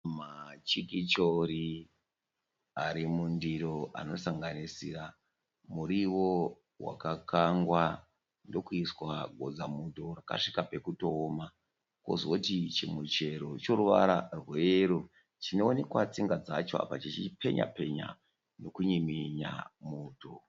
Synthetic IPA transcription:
mat͡ʃikit͡ʃoɾi | aɾimundiɾoa̰no̞saŋɡanisḭra | muɾiwo | wa̰kakaŋɡwa | ndo̞kuiswaɡʱo̞d͡zamutoraka̰ʂikape̞kutoːma | ko̰zotit͡ʃimut͡ʃe̞ɾo̞t͡ʃo̞ɾuʋa̰ɾa̰rwe̞ɾu | t͡ʃino̞ːne̞kwat͡siŋɡad͡zat͡ʃoa̰pat͡ʃit͡ʃipʰe̞ɲa̰pe̞ɲa̰ | no̞kuɲimiɲa̰muːto

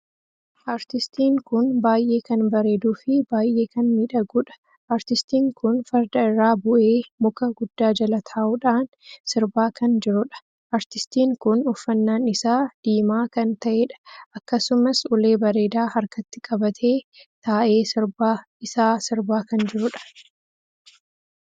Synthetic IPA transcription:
ʔaːɾt̪ɪst̪iːŋkʊnbaːjʔe̞ːkɐnbɐɾe̞ːd̪uːfɪbaːjʔe̞ːkɐnmiːᶑɐɡʊᶑɐ̥ | ʔaːɾt̪ɪst̪iːŋkʊnfɐɾd̪ɐɪrːaːbʊʔeːmʊkɐɡʊd̪ːaːd͡ʒɐlɐt̪ʰaːʔuːᶑaːn | sɪɾbaːkʰɐnd͡ʒɪɾʊᶑɐ̥ | ʔɐɾt̪ɪst̪iːŋkʊnʊfːɐnːaːnɪsaːd̪̥iːmaːkɐnt̪ɐʔeːᶑɐ̥ʔɐkːɐsʊmɐsʊle̞ːbɐɾe̞ːd̪aːhɐɾkɐt̪ːɪkʼɐbɐt̪ʰe̞ːt̪aːʔe̞ːsɪɾbaː | ɪsaːsɪɾbaːkɐnd͡ʒɪɾʊᶑɐ̥

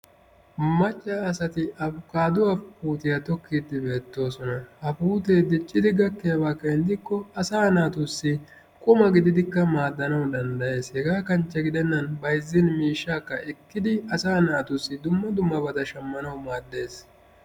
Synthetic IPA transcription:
mɐt͡ʃʼːɐːsɐt̪ɪɐbʊkaːd̪ʊwaːfpuːt̪ɪjɐt̪ɔkːiːd̪ɪbe̞ːt̪ːo̞ːsɔnɐhɐpuːt̪eːd̪ɪt͡ʃʼːɪd̪ɪɡɐkːɛjɐbaːkeːnɪd̪ɪkːɔɐsaːnaːt̪ʊsːɪ | kʼʊmɐɡɪd̪ɪd̪ɪkːɐmaːd̪ːɐnɐwd̪ɐnd̪ɐje̞ːshɛɡaːkɐnt͡ʃːɐɡɪd̪ɛnːɐnbɐjzːɪnmiːʃːaːkːɐʔɛkːɪd̪ɪɐsaːnaːt̪ʊsːɪd̪ʊmːɐd̪ʊmːɐbɐd̪ɐʃɐmːɐnɐwmaːd̪ːe̞ːs

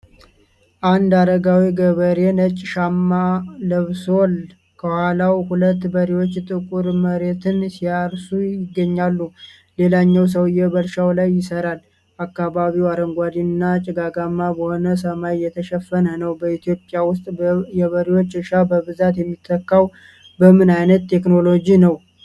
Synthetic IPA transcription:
ʔand̪ad̪əɡawiɡəβəɾe̞nət͡ʃʼːʃamːaləβso̞l | kʰəhwʷalawhulət̪ːbəɾiwo̞t͡ʃːt̪ʼɨkʼuɾməɾe̞t̪ʰɨnsijaɾsujɪɡːəɲːalːu | le̞laɲːɛws̬əwɨjːɛβəɾʃawlajːɪsəɾal | ʔakːaβaβiwaɾəŋɡʷad̪inɨnːat͡ʃʼɪɡaɡamːabəho̞nəs̬əmajjɛt̪ʰəʃɛfːənənəwbəit̪ʰijo̞pʼjawʊst̪ʼjɛβəɾiwo̞t͡ʃːɨʃabəβɨzat̪jɛmːit̪ʰːəkːaw | bəmɨnajnət̪ʰːe̞kno̞lo̞d͡ʒinəw

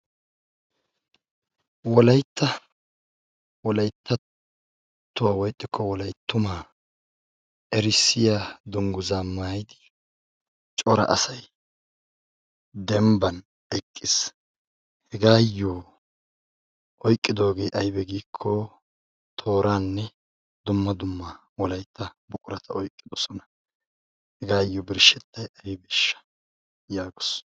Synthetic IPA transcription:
wɔlɐjt̪ʰːɐ | wɔlɐjt̪ʰːɐ | t̪ːʊwawɔjt̪ʼːɪkʰːɔwɔlɐjt̪ːʊmaː | ʔɛɾɪsːɪjaːd̪ʊŋɡʊzaːmaːjd̪ɪ̥ | t͡ʃʼɔɾɐ̰ʔɐsɐj | d̪ɛmbɐn | ɛkʼːɪs | hɛɡaːjːo | ʔɔjkʼːɪd̪o̞ːɡe̞jʔɐjbɛɡiːkʰːɔ | t̪ʰo̞ːɾaːnːɛ | d̪ʊmːɐd̪ʊmːɐ | wɔlɐjt̪ʰːɐbʊkʼʊɾɐt̪ʰɐɔjkʼːɪd̪ɔsɔnɐ̥ | hɛɡaːjːɔbɪɾʃɛt̪ːɐjɐjbɪʃːɐ̥ | jaːɡʊs

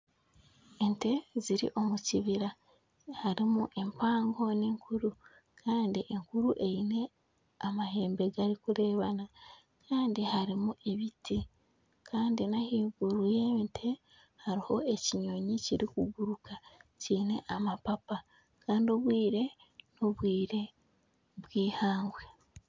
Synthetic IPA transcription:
ente̞ziɾḭʔo̞muciβiɾa | haɾimuʔe̞mpaːŋɡo̞niːŋkʰuɾu | kʰaːndiʔeŋkuɾuʔe̞jine̞ | amaɦe̞ːmbe̞ɡaɾikuɾe̞ːβana | kʰaːndihaɾimuʔe̞βitʰi | kʰaːndinahiːɡuɾuje̞mitʰe̞ | haɾiho̞e̞ciɲo̞ɲiciɾikuɡuɾukaciːne̞ʔamapapa | kaːndio̞βwiːɾe̞ | noβwiːɾe̞ | βwiːhaːŋɡwe̞

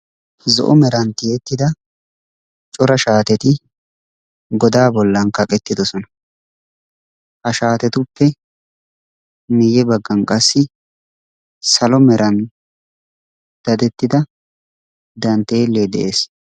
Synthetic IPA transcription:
zɔ̰ʔɔmɛɾɐnt̪ɪjɛt̪ːɪd̪ɐ | t͡ʃʼɔɾɐʃaːt̪ɛt̪ɪ | ɡɔd̪aːbɔlːɐnkɐkʼɛt̪ːɪd̪ɔsɔnɐ | hɐʃaːt̪ɛt̪ʊpːɛ | nɪjɛbɐɡːɐnkʼɐsːɪ | sɐlɔmɛɾʔɐn | d̪̥ɐd̪ɛt̪ːɪd̪ɐ | d̪ɐnt̪ːeːlːeːd̪ɛ̰ʔeːs

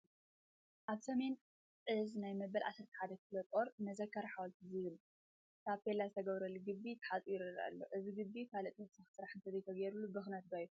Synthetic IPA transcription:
ʔaβsɐme̞n | ʔɨznajmɐbɐlʕa̰sɨɾt̪ʰɐ̥ħad̪ɐkɨlot̪ʼo̞ɾmɐzɐkʰːaɾħawalt̪ʰɨzɨβɨl | kʰaβpʰelazɨt̪ʰɐɡɐβɾɐlːuɡɨbːit̪ʰɐ̥ħat̪ʼujɪɾɨɾa̰ʔlːoʔɨziɡɨbːikʰalɐt̪ʼot̪sɐxsɨɾaħɨnt̪ʰɐzɐjt̪ʰɐɡɐjɾulːubɨxnɐt̪̚ɡaju

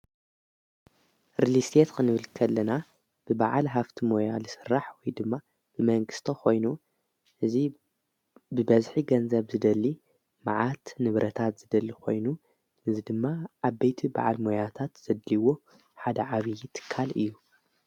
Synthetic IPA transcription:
ɾilist̪ʰet̪kʰɨnɨβɨlkʰɐlːɐna | b̥ɨbaʕalɦaft̪ʰimo̞jalɨsɨrːaħwɔjd̪ɨmːa | b̥ɨmɐŋɡɨst̪ʰɐxʰo̞jnu | ʔɨzi | bɨbɐzħiɡɐnzɐβzɨd̪ɐlːi | maʕat̪nɨβɾʔɐt̪ʰat̪z̥ɨd̪ɐlːikʰo̞jnu | ʔɨzid̪ɨmːaʔaβbejt̪ʰiba̰ʕa̰lmojat̪ʰat̪z̥ɐd̪liwo̞ | ħad̪ɐʕaβijt̪ʰɨ̥kʰːalɨ̰jːu

